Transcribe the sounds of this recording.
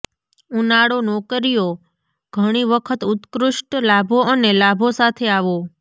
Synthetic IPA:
unaɽonɔkəɾijo | ɡʱəɽ̃iʋəkʰət̪ʊt̪kɾʊʃʈlabʱoənelabʱosat̪ʰeaʋo

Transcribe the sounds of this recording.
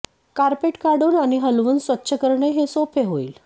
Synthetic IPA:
kaɾpeʈkaɽuːnaɽ̃iɦəlʋuːnsʋətːɕʰəkəɾɳeɦesopʰeɦoḭːl

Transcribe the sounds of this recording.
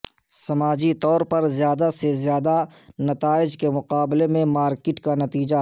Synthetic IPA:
sɐmaːd͡ʒit̪ɔːɾpɐɾzjaːd̪asezjaːd̪anɐt̪aːɪd͡ʒkemʊqaːblemẽmaːɾkɪʈkanɐt̪iːd͡ʒa

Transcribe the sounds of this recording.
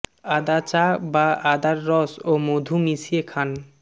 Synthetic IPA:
ad̪at͡ɕabaad̪aɾːɔsomod̪ʱumisiekʰan

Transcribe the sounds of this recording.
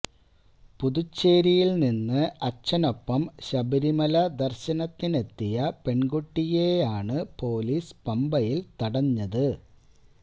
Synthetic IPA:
puðut͡ɕːe̞ːɾijilninːɨɐt͡ɕːɐno̞pːɐmɕɐbɐɾimɐlɐd̪ɐrɕɐnɐt̪ːine̞t̪ːijɐpe̞ɳɡuʈːije̞jaːɳɨpo̞ːliːspɐmbɐjilt̪ɐɽɐɲːɐðɨ

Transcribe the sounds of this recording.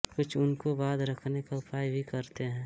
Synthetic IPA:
kʊt͡ʃʰʊnkobaːd̪ɾɐkʰnekaʊpaːjbʱikɐɾt̪eɦɛ̃ː

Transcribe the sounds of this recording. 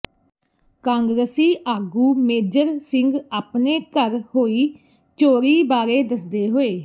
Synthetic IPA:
kãːŋɡɾəsiːʔaːɡuːmeːd͡ʒəɾsɪŋɡaːpneːk̪əɾhoːiː | t͡ʃoːɾiːbaːɾeːd̪əsd̪eːɦoːeː

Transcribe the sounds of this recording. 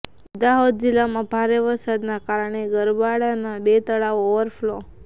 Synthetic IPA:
d̪aɦod̪̚d͡ʒilːamãbʱaɾeʋəɾsad̪nakaɾəɳ̃eɡəɾbaɽanabet̪əɭaʋooʋəɾflo

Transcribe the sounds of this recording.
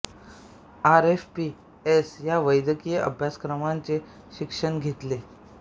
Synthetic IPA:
aɾefpiː | esjaʋəjd̪əkijəə̰bʱjaskɾəmant͡se | ɕikʂəɳɡʱet̪le

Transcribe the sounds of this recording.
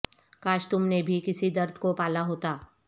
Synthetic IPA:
kaːʃt̪ʊmnebʱikɪsid̪ɐɾd̪ʱkopaːlaɦoːt̪aː

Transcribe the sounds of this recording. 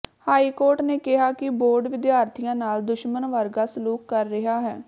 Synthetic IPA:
haːiːkoːɾʈneːkɪɦaːkɪboːɾɖʋɪd̪jaːɾt̪ʰijãːnaːld̪ʊʃmənʋəɾɡaːsəluːkːəɾːɪɦaːɦɛ̰ː

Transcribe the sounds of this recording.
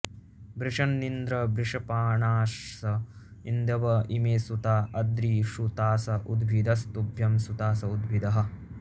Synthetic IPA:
bɾiʂɐnːind̪ɾɐbɾiʂɐpaːɳaːʃɐind̪ɐʋɐimeːsut̪aːɐd̪ɾiːʃut̪aːsɐʔud̪bʱid̪ɐst̪ubʱjɐmsut̪aːsɐud̪bʱid̪ɐɦɐ̆

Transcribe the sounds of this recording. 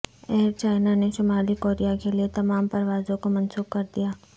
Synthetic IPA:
ɛːɾt͡ʃaːɪnaneʃʊmaːlikoːɾijakeliet̪ɐmaːmpɐɾʋaːzõkomɐnsuːb̚kɐɾd̪ijaː

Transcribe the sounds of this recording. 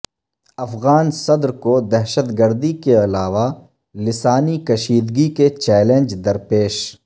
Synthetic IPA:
ɐfɣaːnsɐd̪ɾkod̪ɛɦʃət̪ɡəɾd̪ikeɐlaːʋa | lɪsaːnikɐʃiːd̪ɡiket͡ʃɛːlẽnd͡ʒd̪ɐɾpeːʃ

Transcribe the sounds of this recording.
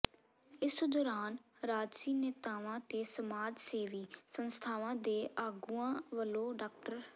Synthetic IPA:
ɪsd̪ɔːɾaːnɾaːd͡ʒsiːneːt̪aːʋãːt̪eːsəmaːd͡ʒseːʋiːsənst̪ʰaːʋãːd̪eːʔaːɡuːãːʋəlõːɖaːk̚ʈəɾ

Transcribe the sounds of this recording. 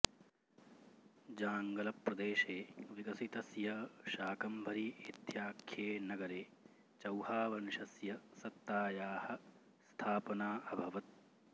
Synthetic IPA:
d͡ʒaːŋɡɐlɐpːɾɐd̪eːʃeːʋikɐsit̪ɐsjɐʃaːkɐmbʱɐɾiit̪jaːkʰjeːnɐɡɐɾeː | t͡ʃɐwhaːʋɐnʃɐsjɐsɐt̪ːaːjaːhɐ | st̪ʰaːpɐnaːɐbʱɐʋɐt̪̚

